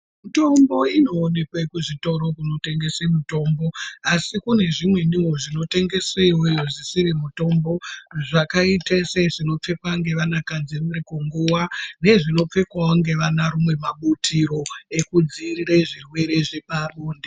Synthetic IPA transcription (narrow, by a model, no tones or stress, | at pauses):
muto̞mbo̞ino̞ːne̞kwekuʐito̞ɾo̞kuno̞te̞ŋɡe̞semuto̞ːmbo̞asikune̞ʐimwe̞niwoʐino̞te̞ŋɡe̞seiwojoʐisirimuto̞mbo̞ʐakaiteseʐino̞p͡fe̞kwaŋɡe̞ʋanakad͡zinirikoŋɡuwane̞ʐino̞p͡fe̞kwawoŋɡe̞ʋanaɾumwe̞maɓutʰiɾo̞e̞kud͡zirireʐirwe̞ɾe̞ʐeparoːnde